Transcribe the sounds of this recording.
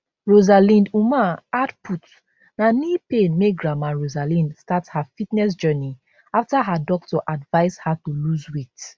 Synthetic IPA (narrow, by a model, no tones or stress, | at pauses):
ɹozalĩndumãadput | nanipẽnmeɡɹamãɹozalĩnstathafitnɛs̬d͡ʒɜni | aftaɦadɔk̚tɔʔadvaɪzhatuluzwet